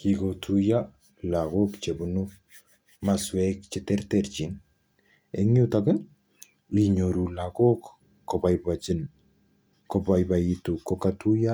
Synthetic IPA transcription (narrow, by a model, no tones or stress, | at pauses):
kiɡotʰuja | laɡokt͡ʃebunu | maswɛkt͡ʃitɛɾtɛɾt͡ʃin | eŋutaɡən | liɲoɾulaɡok | kːɔbajbad͡ʒin | kɔbajbajitukokatuja